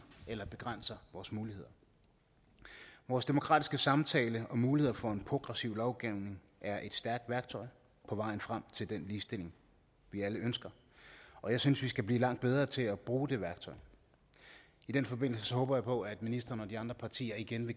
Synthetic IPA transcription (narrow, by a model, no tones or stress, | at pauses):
elɐb̥e̝ɡ̥ʁan̰sɐʋɒːsmuːlihe̝ð̞̰ˠɐ | ʋɒːsd̥e̝mo̝kʰʁɑ̰ːd̥isɡ̥əsɑ̈mt͡sʰɛːləɒ̽muːlihe̝ð̞̰ˠɐfɒ̽e̝npʰʁo̝ɡ̥ʁɛsiʊlɒʊɡ̥iʊne̝ŋ | ʔæɐʔe̝d̥sd̥æɐɡ̥̚d̥ʋæɐɡ̥t͡sʰɒ̽ɪ | pʰɒ̽ʋɑ̈ɪn̩fʁam̰t͡sʰe̝ld̥enliːsd̥e̝l̰e̝ŋ | ʋiæləønsɡ̥ɐ | ɒ̽jɑ̈ɪsynsʋisɡ̥æb̥lḭːlɑ̈ŋ̰d̥̚beð̞ˠʁɐːt͡sʰe̝læb̥ʁuːd̥e̝ʋæɐɡ̥̚t͡sʰɒ̽ɪ | id̥enfɒ̽be̝n̰l̩səsɒ̽hɔ̽ːb̥ɐjäɪpʰɒ̽æd̥minisd̥ʁɐːnəɒ̽d̥iɑ̈nd̥ʁɐpʰɑ̈t͡sʰḭːɐiɡ̥enʋe̝